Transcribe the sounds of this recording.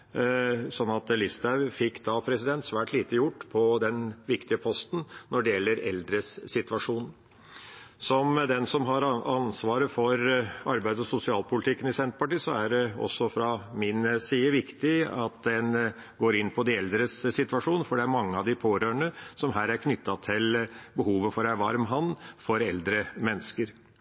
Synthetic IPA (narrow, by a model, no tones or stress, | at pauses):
sɔnːɑt̪lɪst̪æʋfɪkːd̪ɑpʰɾɛsɪd̪ɛnt̪sʋæːʈʰliːt̪əjʊʈːpʰɔd̪ɛnʋɪkt̪ɪəpʰɔst̪n̩nɔɖɛjɛlːəɾɛ̰ld̪ɾəsːɪt̪ʋɑʂuːn | sɔmd̪ɛnsɔmɦɑɾɑnsʋɑːɾəfɔɾɑɾbæɪd̪əɔsʊsɪɑːlpʊlɪt̪ʰɪkːənɪsɛnt̪pʰɑʈiːsɔæɖɛɔ̰sːɔfɾɑmɪnsiːəʋɪkt̪ɪɑ̰t̪d̪ɛn | ɡoːɾɪnːpʰɔd̪ɪɛld̪ɾəssɪt̪ʋɑʂuːnəfɔɖɛæɾmɑŋːəɑʋd̪ɪpʰoːɾøːəɳəsɔmɦæːɾæɾkʰnʏt̪ːɑt̪ʰɪlbəhuːʋəfɔɾæɾʋɑɾmɦɑnːfɔɾɛld̪ɾəmɛnːəskəɾ